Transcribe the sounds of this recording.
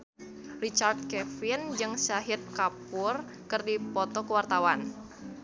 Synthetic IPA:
rit͡ʃard̪̚kɛfɪnd͡ʒɨŋsaɦɪt̪̚kapʊr | kərdipɔt̪ɔkəwart̪awan

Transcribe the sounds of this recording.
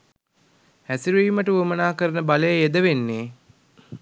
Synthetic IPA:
hæsiɾiːməʈəʋəmənaːkəɾənəbaləjəed̪əʋenːeː

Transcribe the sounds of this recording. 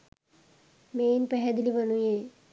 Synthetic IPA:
meːnpɛɦɛd̪iliʋɐnuje

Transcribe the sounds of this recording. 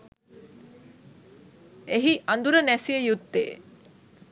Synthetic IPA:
eɦiʔand̪uɾənæsijəjut̪ːḛː

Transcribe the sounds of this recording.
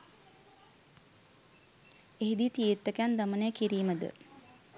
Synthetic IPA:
eɦid̪it̪ijet̪ːəkand̪amənəjəkiɾiːməd̪ə̰

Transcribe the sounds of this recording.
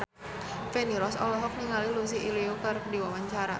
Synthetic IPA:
feniɾɔsɔ̰lɔɦɔk̚niŋalilus̬iʔiliokərdiwawaɲt͡ʃaɾa̰

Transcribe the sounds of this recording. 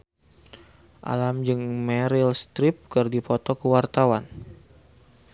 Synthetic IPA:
ʔa̰lamd͡ʒɨŋmɛɾilst̪ɾip̚kɨrdipɔt̪ɔkəwart̪awan

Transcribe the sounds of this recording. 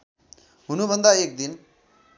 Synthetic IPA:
ɦʊnũbə̃nd̪aeːk̚d̪in

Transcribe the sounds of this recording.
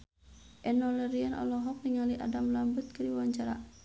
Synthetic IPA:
ʔɛnɔlɛɾianʔa̰lɔɦɔk̚niŋaliʔa̰damlambut̪̚kəɾiwawaɲt͡ʃaɾa

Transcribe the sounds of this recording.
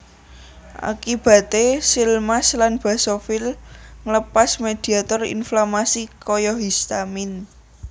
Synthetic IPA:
ʔa̰kib̥ä̤t̪esilmaslanb̥a̤sɔfɪlŋləpasmed̪̥i̤at̪ɔrḭnflamasikɔjɔɦist̪amɪn

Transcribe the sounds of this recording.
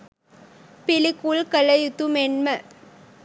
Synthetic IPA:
pɪlɪkːulkɐlɐjut̪ːumɛnmɐ

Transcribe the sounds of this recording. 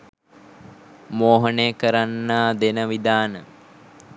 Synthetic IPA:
moːɦənejəkəɾanːaːd̪enəʋid̪aːnə

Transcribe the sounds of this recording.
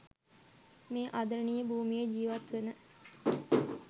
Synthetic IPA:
meːʔad̪əɾnijəbuːmijed͡ʒiːʋat̪ʋenə

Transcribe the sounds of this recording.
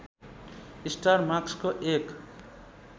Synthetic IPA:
isʈarmakskoʔek

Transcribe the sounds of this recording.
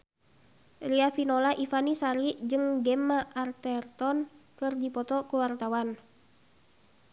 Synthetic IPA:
riafinolaʔifanisaɾid͡ʒɨŋɡɛmaʔart̪ɛrt̪ɔnkɨrdipɔt̪ɔkuwart̪awan

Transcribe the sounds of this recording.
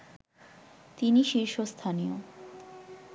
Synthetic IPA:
t̪iniʃiɾʃost̪ʰanijo̰

